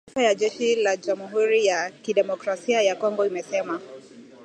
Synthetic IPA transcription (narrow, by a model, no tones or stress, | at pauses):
ifajaʄɛʃilad͡ʒamuɦuɾijakiɗɛmɔkɾasiajakɔŋɡɔimɛsɛma